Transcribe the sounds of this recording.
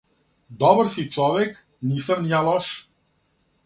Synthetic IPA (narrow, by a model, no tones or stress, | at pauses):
d̪ɔbɾsit͡ʃɔvɛk | nisəmjalɔʃ